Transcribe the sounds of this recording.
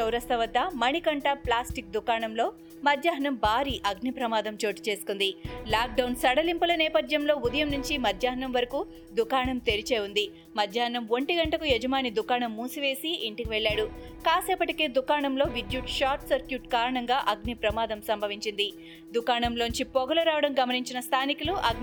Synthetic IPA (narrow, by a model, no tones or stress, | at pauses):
t͡ʃɐwɾɐst̪ɐʋɐd̪ːɐmɐɳikɐɳʈɐplaːsʈik̚d̪ukaːɳɐmlo̞ː | mɐd̪jaːɦɐnɐmbʱaːɾiːʔɐɡnipɾɐmaːd̪ɐmt͡ʃo̞ːʈi̥t͡ʃe̞ːsu̥kund̪ilaːk̚ɖɐwnsɐɽɐlimpulɐnɛːpɐd̪jɐmlo̞ːud̪ɐjɐmnuɲt͡ʃimɐd̪jaːɦɐnɐmʋɐɾɐku | d̪ukaːɳɐmt̪eɾit͡ʃeːund̪i | mɐd̪ʱjaːɦɐnɐmʋoɳʈiɡɐɳʈɐkujɛd͡ʒɐmaːnid̪ukaːɳɐmːuːsiʋe̞ːsiiɳʈikiʋɛɭːaːɽu | kaːseːpɐʈikeːd̪ukaːɳɐmlo̞ːʋid̪juʈʃaːɾʈsɐɾkjuːʈkaːɾɐɳɐŋɡaːʔɐɡnipɾɐmaːd̪ɐmsɐmbʱɐʋiɲt͡ʃind̪i | d̪ukaːɳɐmloːnuɲt͡ʃipɔɡɐlɐɾaːʋɐɽɐmɡɐmɐniɲt͡ʃinɐst̪ʰaːnikuluʔɐɡn